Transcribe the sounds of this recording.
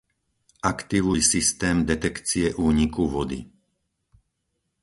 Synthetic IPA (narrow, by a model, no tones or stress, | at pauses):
ʔakt̪iʋujsist̪ɛːmd̪ɛt̪ɛkt͡siɛʔuːɲikuʋɔd̪ḭ